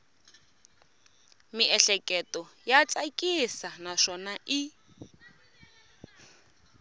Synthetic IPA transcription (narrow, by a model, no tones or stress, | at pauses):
miʔɛɬɛkʼɛtʼɔjat͡sʼakʼisanaʃɔnaʔi